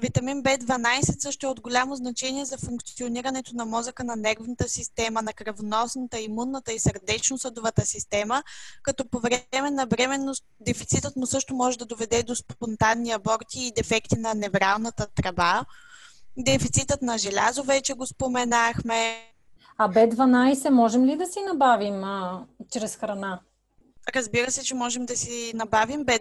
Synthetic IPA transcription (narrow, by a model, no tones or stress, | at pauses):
vit̪ɐminbɛd̪vɐnajsɛt̪sɤʃt̪oʊɛod̪ɡolʲamoznɐt͡ʃɛniɛzɐfuŋkt̪sioniɾɐnɛt̪onɐmɔzəkənɐnɛɾvnət̪əsist̪ɛmənɐkɾɐvonɔsnət̪əimunːət̪əisəɾd̪ɛt͡ʃnosəd̪ʊvət̪əsist̪ɛməkɐt̪ɔpovɾɛmɛnɐvɾɛmɛnːo | d̪ɛfit̪sit̪ət̪mʊsɤʃt̪omɔʒɛd̪ɐd̪ovɛd̪ɛd̪ospont̪anːiɐbɔɾt̪iːd̪ɛfɛkt̪inɐnɛvɾalˠnət̪ət̪ɾɐba | d̪ɛfit̪sit̪ət̪nɐʒɛlʲa̰zovɛt͡ʃɛɡospomɛnaxmɛ | ɐbɛd̪vɐnajsɛmɔʒɛmlid̪ɐsinɐbavimt͡ʃɾɛsxɾɐna | ɾəzbiɾəsɛt͡ʃɛmɔʒɛmd̪ɐsinɐbavimbɛ